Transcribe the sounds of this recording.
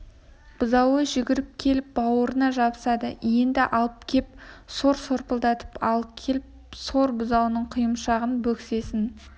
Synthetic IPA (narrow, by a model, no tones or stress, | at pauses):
b̥ʊzɑwəʒʏɡʲɪɾɪp̚kʲʰe̞lɪp̚bɑwəɾənɑʒɑbəsɑd̪əje̞nd̪ɪʔɑlˠəpkʲʰe̞p̚so̞ɾso̞ɾpəlˠd̪ɑt̪ə̥pɑlˠəp̚kʲʰe̞lɪp | so̞ɾbʊzɑwənəɴqʰʊjəmʃɑʁənbɵkse̞sɪn